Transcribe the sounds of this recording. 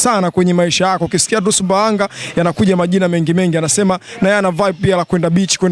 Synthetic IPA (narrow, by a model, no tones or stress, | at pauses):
sanakwɛɲɛmaiʃajakɔukisi̥kiat̬usumbaaŋɡajanakuʄamaʄinamɛŋɡimɛŋɡianasɛmanajɛanavaipialakwɛndaɓit͡ʃi̥kwɛn